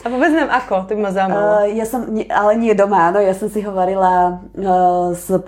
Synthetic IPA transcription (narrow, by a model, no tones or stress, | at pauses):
apɔbɛd͡znaːmʔakɔt̪ɔbimazamajaːsɛmɲɛalɛɲɪɛd̪ɔmaaːnɔjaːsɛmsiɦɔʋaɾila | z